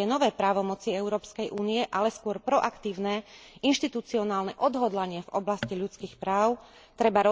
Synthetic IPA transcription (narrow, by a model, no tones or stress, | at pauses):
ɛnɔʋɛːpɾaːʋɔmɔt͡siɛʊɾɔːpskɛjʔuːniɛʔalɛskʊɔɾpɾɔʔakt̪iːʊnɛinʃt̪it̪ut͡siɔnaːlnɛʔɔd̪ɦɔd̪laɲɪɛvɔblasciʎut͡skiːxpɾaːʊ | t̪ɾɛbaɾɔ